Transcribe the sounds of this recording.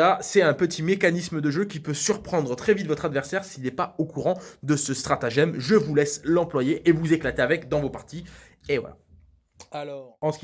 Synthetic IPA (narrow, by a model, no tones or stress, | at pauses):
asɛt̪ɛ̃pət̪ʰimekanisməd̪əʒøkʲipøsyʁpχɑ̃d̪ʁət̪χɛvit̪vɔt̪χad̪vɛʁsɛʁsilɛpaokuʁɑ̃d̪əsəst̪χat̪aʒɛmʒəvulɛslɑ̃plwajeʔevuzeklat̪eavɛkd̪ɑ̃vopaʁt̪i | evwa̰la̰ | alɔɑ̃s